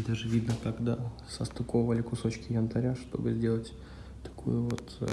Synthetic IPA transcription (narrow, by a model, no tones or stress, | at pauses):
d̪aʐɨvʲid̪nəkɐɡd̪asɐst̪ʊkovəlʲɪkʊso̞t͡ɕkʲɪjʲənt̪ɐɾʲaʂt̪o̞̰bɨzʲdʲe̞lˠətʲ | t̪ɐ̥kṵjʊvo̞t̪